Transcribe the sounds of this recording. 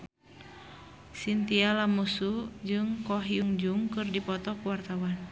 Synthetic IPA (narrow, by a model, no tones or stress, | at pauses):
sint̪ialamusud͡ʒɨŋkɔɦiuŋd͡ʒuŋkɨrdipɔt̪ɔkuwart̪awan